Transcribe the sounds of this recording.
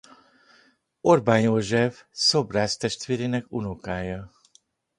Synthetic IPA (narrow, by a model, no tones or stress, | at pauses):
orbaːnjoːʒɛfso̞braːst̪ɛʃt̪ʋeːɾeːnɛkunokaːjɒ